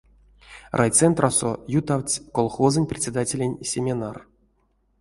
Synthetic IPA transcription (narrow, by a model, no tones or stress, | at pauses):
rʔajt̪sɛnt̪rʔasojut̪awt͡sʲkolˠxozɨnʲprʲɪt̪ʲsʲɪd̪atʲelʲenʲsʲemʲenar